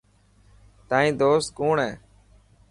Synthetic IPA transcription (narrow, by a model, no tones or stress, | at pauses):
t̪aːĩːd̪oːst̪̚koːɳɦɛ̃ː